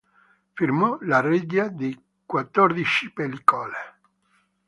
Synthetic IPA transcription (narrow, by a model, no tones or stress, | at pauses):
firmɔlarid̪jad̪i | kwat̪ːɔrd̪it͡ʃipelikɔle